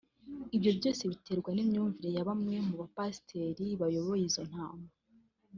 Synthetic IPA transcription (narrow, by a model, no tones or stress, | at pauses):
ibjo̞bɟo̞ːse̞βite̞ɾɡwanimɲuːɱviɾe̞jaβamŋe̞muβapasi̥tʰe̞ɾiβajo̞βo̞jizo̞n̥haːma